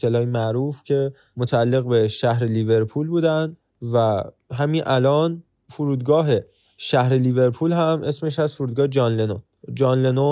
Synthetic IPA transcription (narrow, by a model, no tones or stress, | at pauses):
elɒːjimæʔɾuːfcʰe̞ | mot̪ʰæælːe̞ɣbe̞ʃæɦɾelive̞ɾpʰuːlbuːd̪ænd̪ | væ | ɦæminʔælɒːn | foɾuːd̪ɡɒːɦe̞ | ʃæhɾelive̞ɾpʰuːlhæmʔe̞sme̞ʃæzfoɾuːd̪ɡɒːhed͡ʒɒːnleno | d͡ʒɒːnleno